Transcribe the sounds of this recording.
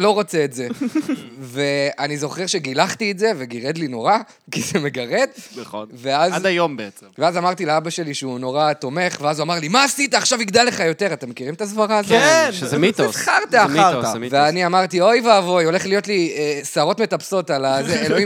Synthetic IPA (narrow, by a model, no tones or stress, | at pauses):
lo̞ʁot͡seːtze̞ | ve̞anizo̞χeʁʃe̞ɡilaχt̪ietze̞ve̞ɡiʁed̪lino̞ʁa | kizeme̞ɡaʁe̞d̪onve̞azdajombeeeveazamaʁt̪ileabaʃe̞liʃeuno̞ʁat̪o̞me̞χveazuamaʁlimaːsit̪aːχʃaviɡd̪alːe̞χajo̞t̪e̞ʁat̪e̞mekiʁimet̪azvaʁaːzoeʃezemit̪osaʁt̪eaiveaniamaʁt̪io̞jvaːvo̞jo̞le̞χlijo̞t̪liesaːʁo̞tme̞t̪apso̞t̪alazeeloi